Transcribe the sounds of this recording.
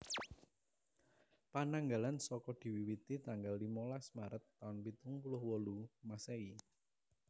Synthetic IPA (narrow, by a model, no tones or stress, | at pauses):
panaŋɡalansɔkɔd̪̥i̤wiwit̪it̪aŋɡalːimolasmaɾət̪ːaʊnpit̪ʊŋpulʊhwɔlumasei